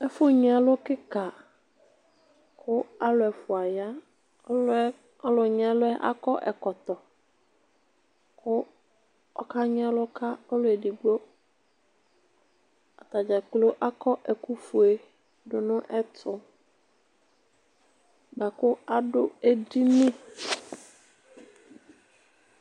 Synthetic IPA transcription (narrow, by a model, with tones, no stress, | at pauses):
ɛ˦fʊ˦ɲ˦a˨˦lʊ˦kɪ˦ka˨ | kʰʊ˦a˦lʊ˨ɛ˨fʊ˨a˨ja˦ | ɔ˦lʊ˨ɲ˦a˦lʊ˦ɛ˦ʔa̰˦kɔ˦ʔɛ˨kɔ˨t̪ɔ˨ | kʊ˦ | ɔ̰˦ka˦ɲ˦a˦lʊ˦ka˦ɔ˦lʊ˦ɛ˨di˨ɡ͡bo˦ | a˨t̪a˨d͡ʒa˨k͡plo˦ʔa˦kɔ˦ʔɛ˨ku˦fu˨e˨ | dʊ˨nʊ̃˦ʔɛ˦tʰʊ˨ | ba˨kʊ˦a˦ɖʊ˦e˦di˦mĩ˦